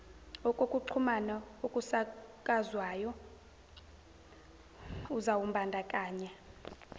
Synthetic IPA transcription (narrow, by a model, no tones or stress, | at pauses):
ɔkʼokʼuǃʰumanaukʼusakʼazwaːjɔ | uzawumbʱandʱakʼaːɲɛ